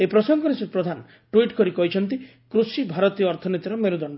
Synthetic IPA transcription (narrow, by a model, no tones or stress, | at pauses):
epɾɔsɔŋɡɔɾesipɾɔd̪ʱan | ʈuiʈkɔɾikɔɦit͡ʃʰɔnt̪i | kɾusibʱaɾɔt̪ijɔːɾt̪ʰɔnet̪iɾɔmeɾud̪ɔɳɖɔ